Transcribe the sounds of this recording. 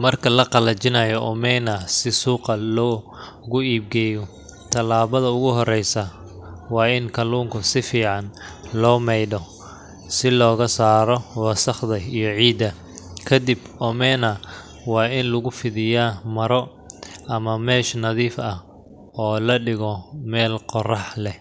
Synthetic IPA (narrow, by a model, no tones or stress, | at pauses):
mɐrkʰɐlɐqɑlɐt͡ʃɪnɐjɔʔɔmɛːnɐsɪsuːqɐlɔː | ɣʊiːb̚ɡɛːjɔ | t̪ʰɐlaːβɐðɐʊɣʊɦɔrɛjsɐ | wɑːɪnkʰɐluːŋkʰʊsɪfiːʕɑnlɔːmɛjdɔ | sɪlɔːɣɐsaːɾɔwɑsɐχðɐijɔʕiːd̪ɐ | kʰɐd̪ibɔmɛːnɐ | wɑːɪnlʊɣʊfɪðɪjaːmɐɾɔ | ʔɐmɐmɛːʃnɐðiːfɐh | ɔːlɐɖɪɣɔmɛːlqɔrɑħlɛ